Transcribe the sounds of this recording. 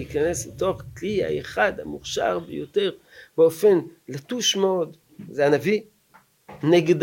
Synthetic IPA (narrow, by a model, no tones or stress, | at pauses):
ikane̞sleto̞χkliha̰eχad̪ha̰muχʃa̰ʁbḛjote̞ʁ | beo̞fe̞nlatuʃmeo̞d | zeanavi | neɡd